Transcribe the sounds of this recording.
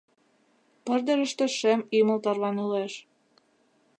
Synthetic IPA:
pɤ̆rd̪ə̆ɾə̆ʃt̪ĕʃemimə̆lt̪ɑrβɑnuleʃ

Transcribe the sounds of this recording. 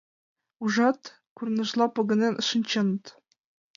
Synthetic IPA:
uʐɑt̪ | kurnɤ̆ʒlˠɑpɤ̆ɡɤ̆nʲenʔɤ̆ʃɤ̆nʲt͡ɕɤnɤ̆t̪

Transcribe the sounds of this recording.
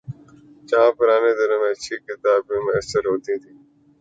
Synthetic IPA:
t͡ʃãːpəɾaːnẽːd̪əɾomẽːət͡ʃʰiːkɪt̪aːbõːmẽːəsəɾɦoːt̪ĩːt̪ʰiː

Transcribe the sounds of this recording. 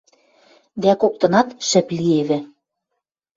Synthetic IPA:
d̪ækok̚t̪ɤ̆nɑt̪ʃɘ̆plieβɘ̆

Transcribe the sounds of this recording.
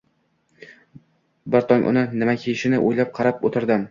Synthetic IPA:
bɪɾt̪ʰɒmʔʊ̰nɪnɪmakʲʰeɪʃɪnɪʔojlap̚qʰɑɾapot̪ʰɪɾd̪ɪm

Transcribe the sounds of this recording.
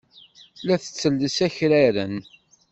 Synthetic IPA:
læθə̥t͡sːəlːəsæçɾæɾən

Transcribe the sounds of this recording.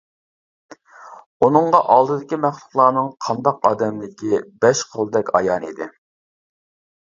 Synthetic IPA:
unɨŋʁɑʔɑlˠd̪ɨd̪ɪkʲimæχlˠʊχlˠɑːnɨŋqʰɑnd̪ɑqɑːd̪ɛmlɪkʲibɛʃqʰolˠd̪ɛkʲɑ̰jɑnḭd̪ɪ

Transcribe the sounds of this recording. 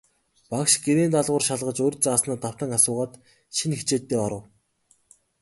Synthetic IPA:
pakʃɡeɾeːnt̪aɮʁʊːrʃaɮʁə̆t͡ɕorʲt͡saːsnaːt̪aw̥t̪ə̆ŋasʊːʁaːt̪ | ʃinxet͡ɕeːt̪ːeːɔɾə̆w

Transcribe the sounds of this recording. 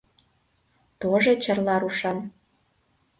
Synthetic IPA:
t̪oʒet͡ɕərlɑɾuʃɑn

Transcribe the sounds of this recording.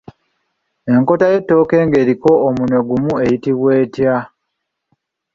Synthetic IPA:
e̞ŋko̞taje̞tːo̞ːke̞ːŋɡe̞ːɾiko̞ːmunwe̞ɡumue̞jitiβwe̞ːtja

